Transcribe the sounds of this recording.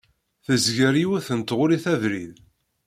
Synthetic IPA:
θəzʝəɾiwæθənt̪ʁʊɾiθæðɾið

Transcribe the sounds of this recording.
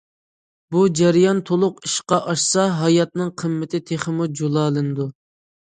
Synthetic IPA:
bud͡ʒæɾijɑnt̪ʰolˠʊqi̥ʃqɑʔɑʃsɑɦɑjɑt̪̚nɨŋqʰəmːɪt̪ʰɪt̪ʰeχɪmud͡ʒolˠɑːlˠɨnɨd̪u

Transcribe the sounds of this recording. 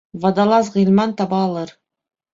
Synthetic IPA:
vɑd̪ɑlˠɑzʁĭlʲˠmɑnt̪ɑbɑːlˠɤɾ

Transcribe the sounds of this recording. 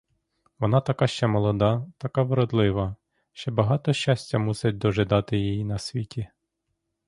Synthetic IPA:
ʋɔnɑt̪ɐkɑʃt͡ʃɛmɔlˠɔd̪ɑt̪ɐkɑʋɪɾɔd̪lˠɪʋɐ | ʃt͡ʃɛbɐɦɑt̪ɔʃt͡ʃasʲtʲːɐmusɪt̚ʲd̪ɔʒɪd̪ɑt̪ɪjijinɐsʲʋʲitʲi

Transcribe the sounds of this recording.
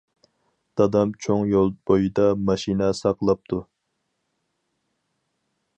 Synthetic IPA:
d̪̥ɑd̪ɑmt͡ʃʰoŋjolˠb̥ojid̪ɑmɑʃinɛsɑqlˠɑp̚t̪ʰu

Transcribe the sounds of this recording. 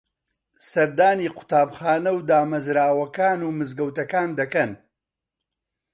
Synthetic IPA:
sɐɾd̪aːniːqʊ̥t̪aːbχaːnɐwd̪aːmɐzɾaːwɐkaːnuːmɨzɡɐwt̪ɐkaːnd̪ɐkɐn

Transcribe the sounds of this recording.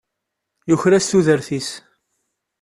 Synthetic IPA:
jʊçɾæsθuðəɾθis

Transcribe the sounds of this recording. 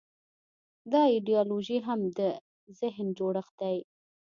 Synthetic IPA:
d̪ɑɪɖijɑloʒiɦamd̪ə | zɪɦnd͡ʒoɽəxd̪aj

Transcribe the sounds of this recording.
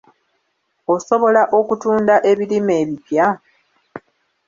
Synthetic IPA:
oso̞βo̞laʔo̞kutuːndaʔe̞βilime̞ːβipja

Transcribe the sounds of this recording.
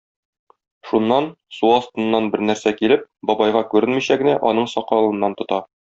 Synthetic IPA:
ʃunːɑn | suɒst̪ɤ̆nːɑnbɘɾnæɾsækilɘp̚bɒbɑjʁɑkʉɾɘnmiɕæɡɘ̆næʔɒnɤɴsɒqɑlˠɤ̆nːɑnt̪ŏt̪ɑ

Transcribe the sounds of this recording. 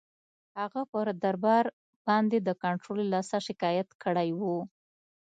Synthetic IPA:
haɣapəɾd̪aɾbɑɾ | bɑnd̪ed̪əkaɳʈɾolelɑsaʃɪkɑjat̪kəɽajwu

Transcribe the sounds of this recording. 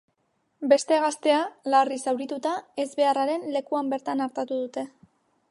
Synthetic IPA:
be̞st̪e̞ɣ̞ast̪e̞alarisawɾit̪ut̪ae̞zβe̞araɾe̞nle̞kuambe̞ɾt̪anaɾt̪at̪uð̞ut̪e̞

